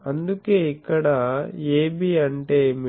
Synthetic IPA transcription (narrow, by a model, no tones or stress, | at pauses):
ɐnd̪ukeːikːɐɽɐeːbiɐɳʈe̞ːmi